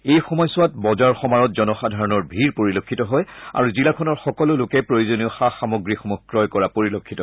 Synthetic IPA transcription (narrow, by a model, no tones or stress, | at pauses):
ejxɔmɔjsʊwatbɔzaɹxɔmaɹɔtzɔnɔxadʱaɹɔnɔɹbʱiɹpoɹilokʰːitɔɦɔja̰ɹuzilakʰɔnɔɹxɔkɔlʊlokɛpɹojozoniɔxaxamoɡɹixɔmukɹɔjkɔɹapoɹilokʰːitɔ